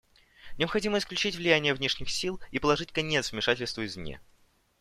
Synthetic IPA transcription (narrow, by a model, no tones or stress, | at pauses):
nʲɪəpxɐdʲiməɪsklʲʉt͡ɕitʲvlʲɪjænʲɪjəvnʲeʂnʲɪxsʲilˠipəlˠɐʐɨtʲkɐnʲet̪svmʲɪʂatʲɪlʲst̪vəɪzmnʲḛ